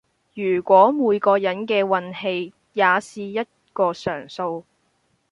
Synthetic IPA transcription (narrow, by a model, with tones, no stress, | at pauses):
jyː˨˩kʷɔː˨˥muː˨˧jkɔː˧jɐ˨˥nkɛː˧wɐ˧nhe˧j | jaː˨˧siː˨jɐ˥t̚kɔː˧sœː˨˩ŋso˧w